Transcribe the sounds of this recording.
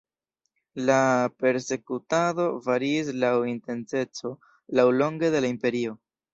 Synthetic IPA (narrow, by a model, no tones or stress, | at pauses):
lape̞ɾse̞kutado̞vaɾiːs̬lawinte̞nse̞t͡so̞ | lawlo̞ŋɡe̞de̞laimpe̞ɾio̞